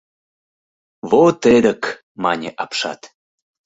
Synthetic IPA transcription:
βot̪ed̪ək | mɑnʲeʔɑpʃɑ̰t̪

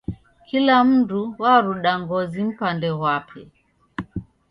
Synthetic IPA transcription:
kʰilam̩duwaɾuɗaŋɡɔzim̩pandɛwapʰɛ̰

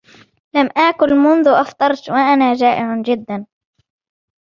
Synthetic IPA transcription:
lamʔaːkʊlmʊnðʊʔɑft̪ˤɑɾˤt̪waʔanaːd͡ʒaːʔɪʕd͡ʒɪd̪ːan

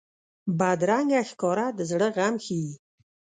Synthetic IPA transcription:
bad̪ɾaŋɡæxkɔɾad̪əzɽəʁamxi

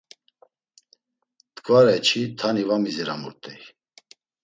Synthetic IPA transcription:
t̪kʼvaɾɛt͡ʃʰit̪ʰanivamizɛɾamṵɾt̪ʼɛj

